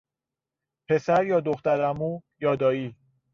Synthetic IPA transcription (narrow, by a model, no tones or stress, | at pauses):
pʰe̞sæɾjɒːd̪oxt̪æɾæmuːjɒːd̪ɒːiː